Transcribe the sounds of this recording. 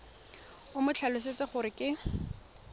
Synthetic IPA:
ʊmʊt͡ɬʰalʊset͡sɪχʊɾɪkɪ

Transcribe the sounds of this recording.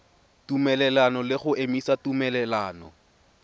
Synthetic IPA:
tumɛlɛlanɔlɪχʊʔemisatumɛlɛlaːnɔ̰

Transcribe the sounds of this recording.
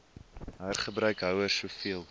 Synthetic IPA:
ɦæːrχəbɾœɥkɦœwərsuəfiəlˠ

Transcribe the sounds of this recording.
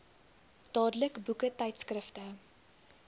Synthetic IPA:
d̥ɑːdələkbukətɛjtskrəftə

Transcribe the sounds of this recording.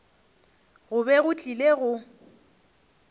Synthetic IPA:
ɣʊbɛɣʊt͡ɬʼileɣʊ

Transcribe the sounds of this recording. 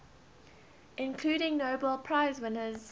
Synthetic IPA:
ʔɪ̃nkʰl̥ʉːɾɪ̃ŋnoʊbəlˠpʰɹ̥aɪzwɪnəz

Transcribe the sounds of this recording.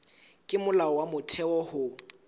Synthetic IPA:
kʼɪmʊlaɔwamʊtʰɛɔhʊ

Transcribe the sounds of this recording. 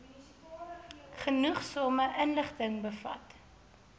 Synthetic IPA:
χənuχsɔməʔənləχtəŋbəfɐ̰t

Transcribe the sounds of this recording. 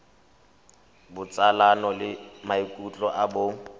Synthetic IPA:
bʊt͡sʼalanɔlɪmaikʼut͡ɬʼɔʔabʊ

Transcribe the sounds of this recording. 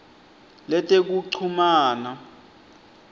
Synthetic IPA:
lɛtʼek̬uǀʰumaːna

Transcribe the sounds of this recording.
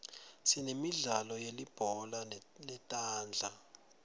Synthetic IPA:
sinemiɮalɔjelib̥ʱɔlalɛtʼaːnd͡ɮʱa

